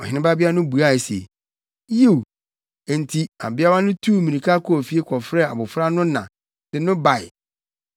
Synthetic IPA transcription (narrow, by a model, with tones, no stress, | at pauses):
ɔ˨hɪ̃˨˦nɪ̃˦ba˦bɪ˦a˦nʊ̃˦bu˨a˦˨sḛ˨ | je˦˨u˨ | e˨n̩˨tʰi˦a̰˨bɪ˦a˦wa˦nʊ̃˦tʰu˦mĩ˨nĩ˨kʰa˦kʰɔ˦˨fi˦e˦kʰɔ˨fɾɛ˦˨a̰˨bʊ˨fɾa˦nʊ̃˦nã̰˨ | d̥ɪ˨nʊ̃˦ba˨ɪ̰˨